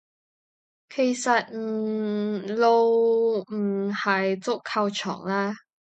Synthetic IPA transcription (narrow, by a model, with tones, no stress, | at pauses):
kʰe˨˩jsɐ˨t̚m̩˩˨˩ | lo˧wm̩˨˩hɐ˨jt͡sʊ˥kʰːɐ˧wt͡ʃʰɔ̰ː˨˩ŋlɛː˥